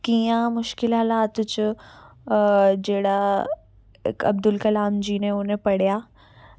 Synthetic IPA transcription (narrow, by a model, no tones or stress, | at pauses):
kiːjãmʊʃkɪlɦɐlaːt̪ʊt͡ɕʊ | d͡ʑeːɽa | ɪ̰kɐ̰b̚d̪ʊlkɐlaːmd͡ʑiːnẽʊn̤ẽpɐɽ̤ijaː